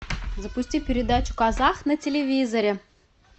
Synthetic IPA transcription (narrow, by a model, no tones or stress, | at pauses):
zəpusʲtʲipʲɪɾʲɪd̪at͡ɕu̥kɑzɑxnətʲelʲevʲizəɾʲe